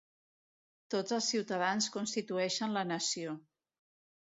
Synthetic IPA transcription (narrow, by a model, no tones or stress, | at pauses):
t̪od͡zəlˠsiwt̪əð̞anskunst̪it̪uɛʃənlənəsio